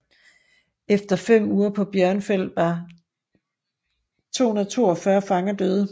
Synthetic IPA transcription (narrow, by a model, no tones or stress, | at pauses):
efd̥ɐfem̰uːɐpʰɒ̽b̥jɶɐnfel̰d̥ʋɑ̈ | t͡sʰo̝̰ːhunɐðˠɐt͡sʰo̝ːɒfɶɐfɑ̈ŋɐd̥øːðˠə